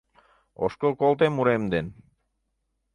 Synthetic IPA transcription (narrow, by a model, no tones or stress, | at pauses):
o̰ʃkokolˠt̪emuɾemd̪en